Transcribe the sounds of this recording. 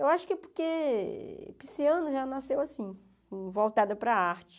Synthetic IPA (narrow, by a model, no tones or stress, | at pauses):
ewaʃʊ̥kɪpoɾke | pisiɐ̃nʊʒanasewasĩ | kvowt̪ad̪ɐpɾɐaɾt͡ʃɪ̥